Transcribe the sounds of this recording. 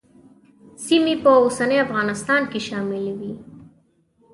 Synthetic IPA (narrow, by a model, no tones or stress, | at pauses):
simepəosanəjafɣɑnɪst̪ɑnkeʃɑmɪlwi